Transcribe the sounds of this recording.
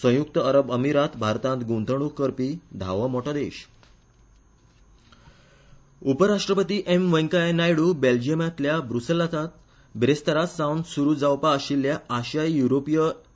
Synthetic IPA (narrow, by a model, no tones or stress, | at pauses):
sə̃juk̚t̪əəɾəbəmiɾat̪bʱaɾt̪ãnt̪ɡunt̪ʰəɽ̃ukːəɾpiːd̪ʱa̰ʋəmoʈad̪eɕ | upəɾaʂʈɾəpət̪iːʔemʋə̃jŋkanajɽuːbeld͡ʑiəmãt̪ljabɾuselat̪at̪̚ | bɾest̪əɾasawnsuɾuːd͡zawpaːɕilːjaːɕjajjuɾopijə